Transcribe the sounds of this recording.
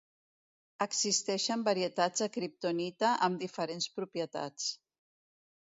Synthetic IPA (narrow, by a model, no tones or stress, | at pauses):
əkzist̪ɛʃəmbəɾiət̪ad͡zəkɾip̚t̪onit̪əʔəmd̪ifəɾenspɾupjət̪a̰t͡s